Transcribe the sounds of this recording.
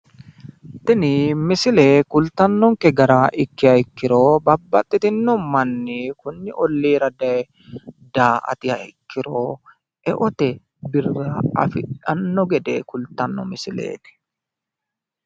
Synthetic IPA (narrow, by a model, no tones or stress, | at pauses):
t̪ɪnɪmɪsɪleːkʊlt̪ɐnːɔŋkɛɡɐɾaːʔɪkːɪɐɪkːɪɾoːbɐbːɐt̪ʼːɪt̪ɪnːɔmɐnːɪkʊnːɪʔɔlːiːɾɐd̪ɐ | d̪aːʔɐ̰t̪ɪɐ̰ɪkːɪɾoː | ʔɛʔɔt̪ɛ | bɪrːɐɐ̰fɪᶑɐnːɔɡɛd̪ɛkʊlt̪ːɐnːɔmɪsɪlḛːt̪ɪ̥